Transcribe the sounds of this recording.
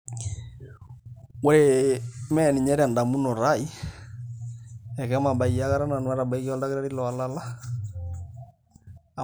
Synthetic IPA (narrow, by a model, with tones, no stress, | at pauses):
wɛ˦e˦mɛ˦˨ni˨ɲɛ˦ɾa˨nda˨mu˦nɔ˨ɾa˦˨i˦ | ɛ˨kɛ˦ma˨ɓa˨ia˨ka˦ɾa˦na˨nwa˦ɾa˨ba˨i˦kɔ˦lda˦ke˦ɾa˦ɾi˦lɔ˨a˨la˦la˦˨